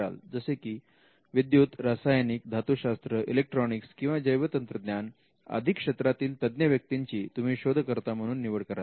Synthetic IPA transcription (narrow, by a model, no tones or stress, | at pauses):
a̰ld͡zəsekiː | ʋid̪jut̪ɾasajanik̚d̪ʱat̪uɕast̪ɾəʔilek̚ʈɾɔnikskĩw̃ʋad͡ʑəjʋət̪ənt̪ɾəd̪njan | ə̰d̪ʱikʂet̪ɾat̪iːlt̪əd̪njəʋjək̚t̪iɲt͡ɕiːt̪um̤iːɕod̪ʱkəɾt̪am̤əɽ̃uːnːiʋəɽkəɾa